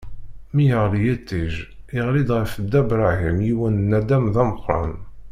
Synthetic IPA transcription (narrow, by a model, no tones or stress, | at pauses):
mijəʁlijæt̪ːiʒɪʁlid̪ʁəfəd̪ːæbɾˤaɦimjiwənnæd̪æmðæməqːɾˤɑ̰n